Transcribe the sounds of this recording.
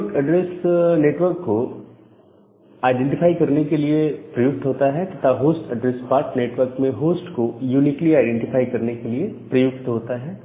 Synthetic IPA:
ʊkɐɖɾeːsneːʈʋəɾkːo | aːɪɖɛ̃ɳʈɪfaːikɐɾnekeliepɾɐjʊk̚t̪ɦoːt̪aɦɛt̪ɐt̪ʰaɦoːsʈɐɖɾespaːɾʈneːʈʋəɾkmẽɦoːsʈkojuːniːkliaːɪɖɛ̃ɳʈɪfaːikɐɾnekeliepɾɐjʊɡ̚t̪ɦoːt̪aɦɛː

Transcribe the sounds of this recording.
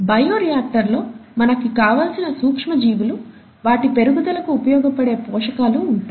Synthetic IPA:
bɐjoːɾijaːʈːɐɾlo̞ːmɐnɐkikaːʋaːlsinɐsuːkʂmɐd͡ʒiːʋulu | ʋaːʈipe̞ɾuɡud̪ɐlɐkuːpɐjɔːɡɐpɐɽe̞ːpɔːʂɐkaːluːɳʈaː

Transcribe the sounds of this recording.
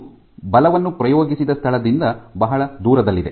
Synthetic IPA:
bɐlɐʋɐnːupɾɐjoːɡisid̪ɐst̪ʰɐɭɐd̪ind̪ɐbɐɦɐɭɐd̪uːɾɐd̪ɐlːid̪e̞̰

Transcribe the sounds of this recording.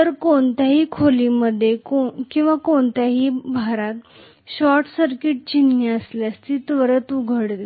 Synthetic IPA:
tt̪əɾkoɳt̪jaɦiːkʰoliːməd̪ʱːjekokĩw̃ʋakoɳt̪jaɦiːbʱaɾat̪ | ɕɔɾʈsəɾkiʈ̚t͡ɕinjaəsljast̪it̪ʋəɾət̪uɡʱəɽd̪e

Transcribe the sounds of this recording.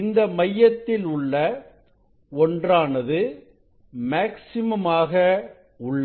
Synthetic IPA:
ɪnd̪ɐmɐjːɐt̪ːɪlʊɭːɐ | ɔndraːnɐðɯ | maːksɪmɐmaːɣɐ | ʊɭːɐ

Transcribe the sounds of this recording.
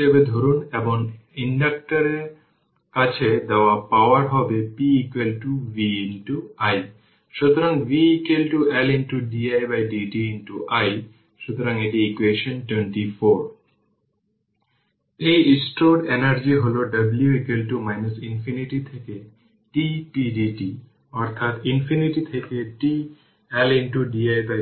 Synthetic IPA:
ebed̪ʱoɾuneboŋiɳɖak̚ʈaɾeɾ | kat͡ɕʰed̪ɛoapaoaɾɦɔbepiikwelʈuviinʈuaj | ʃut̪oɾaŋviikelʈuelinʈuɖiajbajɖiɖiinʈuʔaj | ʃut̪ɾɐ̃ŋet̪iːkʋeʃənʈwẽɳʈifʰoːɾ | eisʈoɖenəɾd͡ʒiɦoloɖɐbljuikwelʈumaɪnəsinfʰiniʈit̪ʰeke | ʈiʈiɖiʈi | ɔɾt̪ʰat̪infʰiniʈit̪ʰekeʈi | elɪnʈuɖiajba

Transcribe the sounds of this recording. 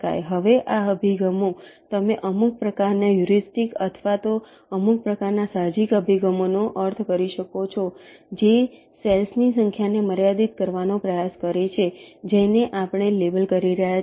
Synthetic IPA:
ka̰jɦəʋeʔaəbʱiɡəmot̪əmeʔəmuk̚pɾəkaɾnajuɾisʈikət̪ʰʋat̪o | əmuk̚pɾəkaɾnasad͡ʒikəbʱiɡəmonoʔəɾt̪ʰkəɾiʃəkot͡ʃʰod͡ʒe | selsnisəŋkʰjaneməɾjad̪it̪̚kəɾʋanopɾəjaskəɾet͡ʃʰed͡ʒeneʔapɳ̃elebəlkəɾiɾəɦja

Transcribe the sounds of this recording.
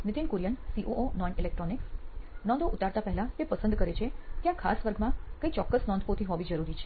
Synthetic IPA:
nɪt̪inkuɾjənsiʔoʔonɔjnilek̚ʈɾɔniksnɔ̃nd̪ʱoʔut̪aɾt̪apɛɦɛlãt̪epəsə̃nd̪ʱkəɾet͡ʃʰet̪jãkʰa̰sʋəɾɡmãkəit͡ʃɔkːəsnɔnʱʋot̪ʰiɦɔʋid͡ʒəɾuɾit͡ʃʰe

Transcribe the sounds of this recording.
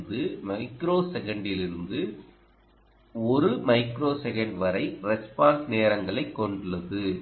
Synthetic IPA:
d̪ɯmɐɪkɾoːsɛɣɐɳɖɪlɪɾɯnd̪ɯ | ɔɾɯmɐɪkɾoːsɛɣɐɳɖʋɐɾɐɪɾɛspaːnsneːɾɐŋɡɐɭɐɪkːɔɳɖɯɭːɐðɯ

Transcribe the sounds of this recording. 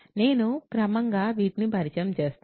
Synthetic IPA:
ne̞ːnukɾɐmɐŋɡaːʋiːt̪nibʱɐɾit͡ʃɐɐmt͡ʃe̞ːst̪

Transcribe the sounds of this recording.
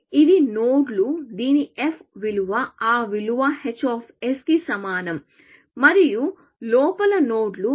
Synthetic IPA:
id̪inoːɖlud̪iːniefʰʋiluʋɐaːʋiluʋɐhet͡ʃːaːpʰeskisɐmaːnɐm | mɐɾiju | lɔːpɐlɐnoːɖlu

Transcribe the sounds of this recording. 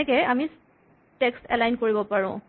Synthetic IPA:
ɛkɛami | tekstɛlajnkoɹibɔpaɹʊ̰̃

